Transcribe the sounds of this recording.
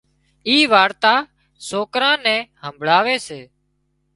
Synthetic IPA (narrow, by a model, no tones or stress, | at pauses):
iːʋaːɾt̪aː | soːkɾãːnɛ̃ːhəmbʱɭaːʋeːseː